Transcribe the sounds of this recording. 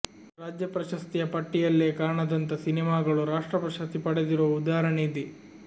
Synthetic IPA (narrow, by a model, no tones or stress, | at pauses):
ɾaːd͡ʒjɐpɾɐʃɐst̪ijɐpɐʈːijɐlːeːkaːɳɐd̪ɐnt̪ɐsinimaːɡɐɭuɾaːʂʈɾɐpɾɐʃɐst̪ipɐɽed̪iɾoʋud̪aːɾɐɳed̪i